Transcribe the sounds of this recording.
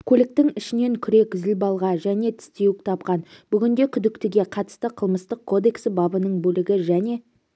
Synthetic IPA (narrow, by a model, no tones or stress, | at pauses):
kʲʰɵlɪk̚t̪ɪŋɪʃɪne̞ŋkʲʰʏɾe̞kʲzɪlbɑlˠʁɑʒæne̞t̪ʰɪ̥st̪e̞wɪk̚t̪ʰɑp̚qɑnb̥ʏɡʲɪnd̪e̞kʲʰʏd̪ɪkt̪ɪɡʲe̞qʰɑt̪ə̥st̪əqʰəlˠməst̪əq̚kʰːo̞d̪e̞ksəbɑbənəɴbɵlɪɡʲɪʒæne̞